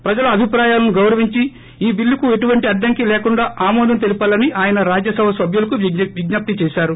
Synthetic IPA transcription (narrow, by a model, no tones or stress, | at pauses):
pɾɐd͡ʒɐlɐɐbʱipɾaːjaːlɐnuɡɐwɾɐʋiɲt͡ʃi | iːbilːukue̞ʈuʋɐɳʈiɐɖːɐŋkilɛːkuɳɖaːʔaːmɔːd̪ɐnt̪e̞lipɐːlːɐniʔaːjɐnɐɾaːd͡ʒjɐsɐʋɐsɐbʱjulɐkuʋiɡnaːp̚t̪it͡ʃɛːʃaːɾu